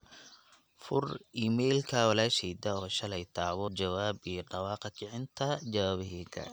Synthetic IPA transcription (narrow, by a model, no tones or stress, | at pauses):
fʊrʔiːmɛjlkʰɐwɑlaːʃɛjd̪ɐɔːʃɐlɛjt̪ʰaːβɔd͡ʒɐwaːbijɖɑwɑːqɪkʰɪʕɪnt̪ʰɐd͡ʒɐwaːβɪɦɛkʰɐ̰